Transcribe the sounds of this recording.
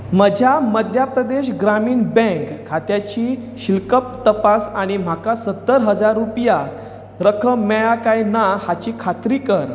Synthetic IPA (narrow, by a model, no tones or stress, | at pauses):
məd͡ʑʱjaməd̪ʱjapɾəd̪eɕɡɾamiːɳbɛ̃kʰːat̪jat͡ɕiːɕilkəp̚t̪əpasaɽ̃im̤akasət̪ːəɾɦəd͡zaɾːupja | ɾəkʰəmɛɭakajnahat͡ɕiːkʰat̪ɾiːkəɾ